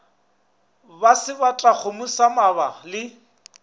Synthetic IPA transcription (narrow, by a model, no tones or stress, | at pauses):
basɪbat͡ɬʼak͡xʰʊmʊsamabalɪ